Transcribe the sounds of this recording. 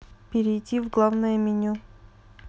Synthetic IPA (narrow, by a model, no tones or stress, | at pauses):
pʲɪɾʲɪjtʲivɡlˠavnəjəmʲɪnʲu